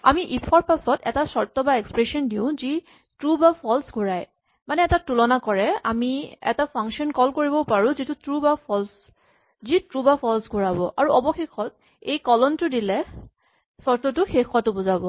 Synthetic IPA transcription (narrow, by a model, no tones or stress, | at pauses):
a̰miʔipʰɔɹpasɔtɛ̰tasɔɹtɔbaekspɹesɔndiʊ̃zi | tɹubapʰɔlsɡʱuɹaj | manɛːtatulɔnakɔɹɛa̰miɛ̰tapʰaŋkʃɔnkɔlkoɹibɔpaɹʊ̃zitʊtɹubapʰɔls | zitɹubapʰɔlsɡʱuɹabɔʔaɹuʔɔbɔxexʰɔt | ejkɔlɔntʊdilɛ | sɔɹtɔtʊxexwatʊbʊzabɔ